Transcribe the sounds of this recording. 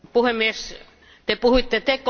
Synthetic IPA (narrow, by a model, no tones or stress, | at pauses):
puhemːies | t̪epuhuit̪ːet̪ek